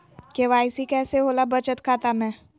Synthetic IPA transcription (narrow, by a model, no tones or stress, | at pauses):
keːʋaːɪsikɛːseɦoːlabət͡ʃət̪kʰaːt̪amɛ̃ː